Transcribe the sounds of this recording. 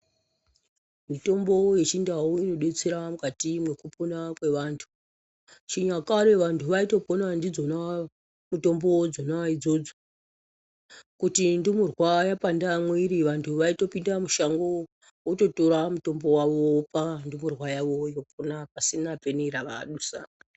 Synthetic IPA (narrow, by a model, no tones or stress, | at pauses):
mito̞mbo̞je̞t͡ʃindauino̞ɗe̞t͡seɾamukatimwe̞kuponakwe̞ʋaːntʰu̥ | t͡ʃiɲakaɾeʋantʰuʋaito̞po̞nandid͡zo̞na | muto̞mbod͡zonaid͡zo̞d͡zo̥ | kutindimurwajapandamweɾiʋantʰuʋaito̞pindamuʃaŋɡo | oto̞to̞ɾamuto̞mbo̞waʋo̞pandimurwajaʋo̞joponapasinapeneɾaʋa̰ɗusa̰